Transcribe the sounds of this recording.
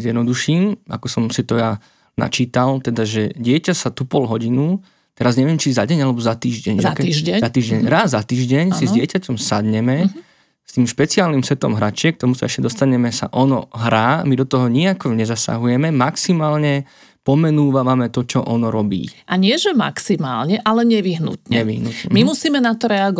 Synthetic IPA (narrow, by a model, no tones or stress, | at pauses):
zjɛd̪nɔd̪uʃiːma̰kɔsɔmsit̪ɔja | na̰t͡ʃiːt̪alt̪ɛd̪aʒɛɟɪɛcasat̪upɔlɦɔɟinu | t̪ɛɾazɲɛʋɪɛmt͡ʃizaɟɛɲalɛbɔzat̪iːʒɟɛɲakizat̪iːʒɟɛɲɾazːat̪iːʒɟɛɲsizɟɪɛcacɔmsad̪ɲɛmɛ | st̪iːmʃpɛt͡siaːlnimsɛt̪ɔ̰mɦɾat͡ʃɪɛk̚t̪ɔmusaɛʃcɛd̪ɔst̪aɲɛmɛsa̰ʔɔnɔ̰ɦɾa̰ːmid̪ɔt̪ɔɦɔɲiakɔɲɛzasa̰ɦujɛmɛmaksimaːlɲɛ | pɔmɛnuːʋaʋamɛt̪ɔt͡ʃɔʔɔnɔɾɔbḭːʔaɲɪɛʒɛma̰ksimaːlɲɛʔalɛɲɛʋiɦnṵt̪ɲɛɛʋiɦnut̪ɲɛmimusiːmɛnat̪ɔɾɛaɡɔ